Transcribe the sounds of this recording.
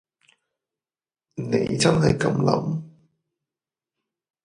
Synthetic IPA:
ne˨˧˥jt͡sɐ˥nɦɐ˨jkɐ˧˥mlɐ̰˨˥m

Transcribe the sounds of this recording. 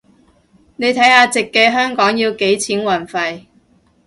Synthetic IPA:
ne˨˧jt̪ʰɐ˨˥jhaː˧t͡sɪ˨kːɛː˧ɦœː˥ŋkɔː˨˥ŋjiː˧wke˨˥jt͡sʰiː˨˥nwɐ˨˩nfɐ˨j

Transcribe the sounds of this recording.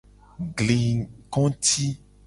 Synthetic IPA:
ɡle˨kɔ̃˦t̪i˦

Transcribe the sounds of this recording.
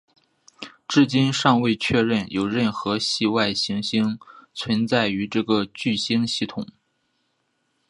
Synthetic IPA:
ʈ͡ʂɻ̩˥˩t͡ɕi˥nʂɑ˥˧ŋwe˥˧ɪt͡ɕʰɥɛ˥˧ɻə˥˩njo˨˩ʊɻə˥˩nxɤ˧˥ɕi˥˧wa˥˩ɪɕi˧˥ŋɕi˥ŋt͡sʰwə˧˥nt͡sa˥˩ɪy˧˥ʈ͡ʂɤ˥˩ɡə˩t͡ɕy˥˩ɕi˥ŋɕi˥˩t̪ʰʊ˨˩˦ŋ

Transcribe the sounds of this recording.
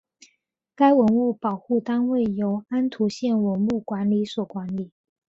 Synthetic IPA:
ka˥ɪwə˧˥nu˥˩pɑ˨˩ʊxu˥˩t̪ɑ˥ŋwe˥˩ɪjo˧˥ʊa˥nt̪ʰu˧˥ɕjɛ˥˩nwə˧˥nu˥˩kwa˧˥nli˧˥swɔ˨˩kwa˧˥nli˨˩˦

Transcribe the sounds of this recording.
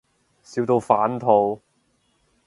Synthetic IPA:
siː˨˧wt̪o˧wfaː˨˥nt̪ʰo˧w

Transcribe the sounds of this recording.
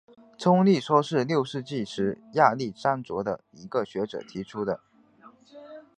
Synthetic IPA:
t͡sʰʊ˥ŋli˥˩ʂwɔ˥ʂɻ̩˥˧ljo˥˧ʊʂɻ̩˥˧t͡ɕi˥˩ʂɻ̩˧˥ja˥˧li˥˩ʂa˥nt͡swɔ˧˥d̪ə̰˧ | i˧˥ɡə˧ɕɥɛ˧˥ʈ͡ʂɤ̰˨˩t̪ʰi˧˥ʈ͡ʂʰu˥d̪ə˨

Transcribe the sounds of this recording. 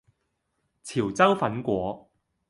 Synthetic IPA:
t͡sʰiː˨˩wt͡sɐ˥wfɐ˨˥nkʷɔː˨˥

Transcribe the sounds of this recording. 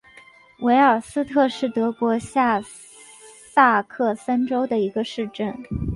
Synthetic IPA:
we˧˥ɪə˞˨˩sɹ̩˥t̪ʰɤ˥˧ʂɻ̩˥˩t̪ɤ˧˥kwɔ˧˥ɕja˥˧ | sa˥˧kʰɤ˥˩sa˥nʈ͡ʂo˥ʊd̪ə˨i˧˥ɡə˧ʂɻ̩˥˧ʈ͡ʂə˥˩n

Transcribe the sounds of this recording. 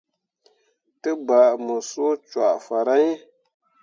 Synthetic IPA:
tɨ˦ba˨ʔmə˨so˦t͡ʃa̰˨ʔfa˨ɾa˦ɲ˦

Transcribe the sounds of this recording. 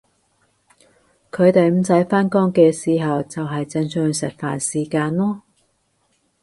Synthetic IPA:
kʰɵ˨˧ɥt̪e˨jm̩˨˧sɐ˨˥jfaː˥nkɔː˥ŋkɛː˧siː˨˩ɦɐ˨wt͡sɐ˨wɦɐ˨jt͡sɛ˧ŋsœː˧ŋsɪ˨t̚fa̰ː˨nsiː˨˩kaː˧nlɔː˥

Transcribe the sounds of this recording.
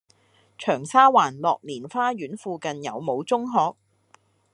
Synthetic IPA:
t͡ʃʰœː˨˩ŋsaː˥waː˨˩nlɔː˨k̚niː˨˩nfaː˥jyː˨˥nfuː˧kɐ˨njɐ̰˨˧wmo˨˧wt͡sʊ˥ŋɦɔː˨k̚

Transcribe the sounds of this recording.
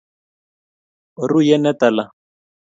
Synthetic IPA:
ru˦jɛ˦nɛ˦ta˨la˦˨

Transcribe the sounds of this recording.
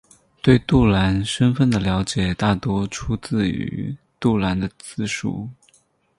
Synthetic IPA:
t̪we˥˧ɪt̪u˥˩la˧˥nʂə˥nfə˥˩nd̪ə˩ljɑ˧˥ʊt͡ɕjɛ˨˩t̪a˥˩t̪wɔ˥ʈ͡ʂʰu˥t͡sɹ̩˥˩y̰˧˥ | t̪u˥˩la˧˥nd̪ə˧t͡sɹ̩˥˧ʂṵ˥˩

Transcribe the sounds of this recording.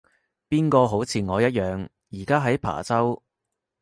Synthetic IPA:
piː˥nkɔː˧ɦo˨˥wt͡sʰiː˨˩ŋɔː˨˧jɐ˥t̚jœː˨˧ŋ | jiː˨˩kaː˥ɦɐ˨˥jpʰa̰ː˨˩t͡sɐ˥w

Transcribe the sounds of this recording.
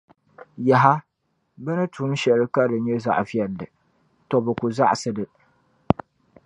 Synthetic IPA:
ja˨ɦa˦ | bɛ˦nɨ˦tʰu˨˦ʃɛ˨lɨ˦ka˦dɨ˨ɲɛ˦za̰˨ʔfi˦ɛ˨lːɨ˨ | tɔ˨bɨ˨ku˨za˦ʔsɨ˦dɨ˨

